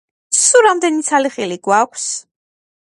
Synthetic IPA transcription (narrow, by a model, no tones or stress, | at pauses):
suɾamd̪ɛnit̪sʰaliχiliɡwakʷʰs